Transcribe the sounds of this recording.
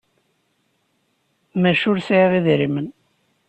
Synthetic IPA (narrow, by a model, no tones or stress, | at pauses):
mæʃʊɾsʕiʁiðɾimən